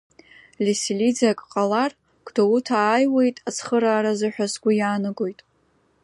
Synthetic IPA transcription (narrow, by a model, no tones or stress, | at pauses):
lʲisilʲid͡zakʼqʼalar | ɡ̥ʷʰdowutʰaːjwe̞jtʼat͡sʰχəɾaːɾazɨħʷᶣasɡʷʊjaːnɨɡo̞jtʼ